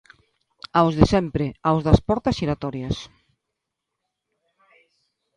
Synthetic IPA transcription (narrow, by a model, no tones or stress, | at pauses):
awzðesɛmpɾeawzðɐspɔɾt̪ɐsiɾat̪ɔɾjas